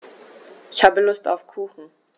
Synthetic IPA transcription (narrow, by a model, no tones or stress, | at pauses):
ʔɪçhaːbəlʊsta̰ʊfkʰuːxn̩